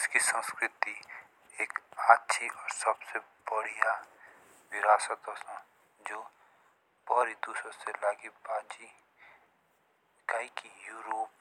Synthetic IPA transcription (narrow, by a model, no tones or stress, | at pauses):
ɪskisə̃nskɾɪt̪i | eːkaːtːʃʰiʔɔːɾsəbsebəɽ̤ija | ʋɪɾaːsət̪ɦɔsã | d͡ʒoː | b̥əɾid̪uːsɾõselaːɡibaːd͡ʒi | kaikijuːɾoːp̚